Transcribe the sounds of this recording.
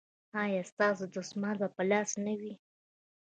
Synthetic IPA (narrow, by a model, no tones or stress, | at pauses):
ɑjɑst̪ɑsod̪osmɑnbapəlɑsnawi